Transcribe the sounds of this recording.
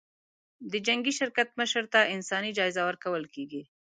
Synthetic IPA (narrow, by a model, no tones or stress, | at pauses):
d̪əd͡ʒaŋɡiʃɪɾkat̪̚məʃəɾt̪aʔɪnsɑnid͡ʒɑɪzawəɾkawəlkeɡi